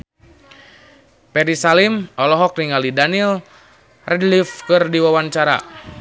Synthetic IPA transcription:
pɛɾisalimɔlɔɦɔk̚niŋalidanil | rɛdlifkɨrdiwawaɲt͡ʃaɾa̰

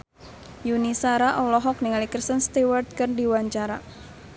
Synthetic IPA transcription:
junisaɾaʔɔlɔɦɔk̚niŋalikɾist̪ənst̪iward̪̚kɨrdiwaɲt͡ʃaɾa

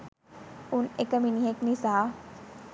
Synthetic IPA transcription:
unekəminiɦeknisa

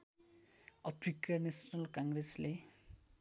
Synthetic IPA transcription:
ʌpʰrikanesnʌlkaŋɡresle

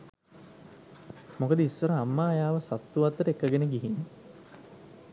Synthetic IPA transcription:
mokəd̪əisːəɾəamːaːjaːʋəsat̪ːuʋat̪ːəɾekːəɡenəɡiɦinːe

